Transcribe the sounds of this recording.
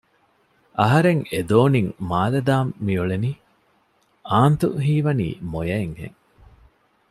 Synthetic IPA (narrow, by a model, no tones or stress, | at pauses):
ʔɐɦɐɾeŋed̪oːniŋmaːlɐd̪aːmːiuɭeniː | aːnt̪ṵɦiːʋɐnḭːmojɐeŋɡḛŋ